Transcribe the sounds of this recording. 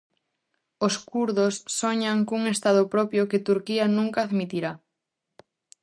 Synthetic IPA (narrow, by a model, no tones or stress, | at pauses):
oskuɾðosːoɲaŋkuŋest̪að̞ʊpɾɔpjokɪt̪uɾkiɐnũŋkaːðmit̪iɾa